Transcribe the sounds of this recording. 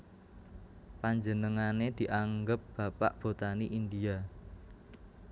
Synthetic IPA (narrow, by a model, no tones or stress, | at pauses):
paɲd͡ʒənəŋaned̪̥i̤ʔaŋɡəp̚b̥a̤pa̰ʔb̥o̤t̪aniʔind̪ia